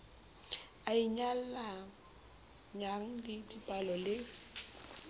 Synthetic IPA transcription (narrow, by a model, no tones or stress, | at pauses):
aiɲal̩la | ɲaŋ̩lɪdipʼalɔlɪ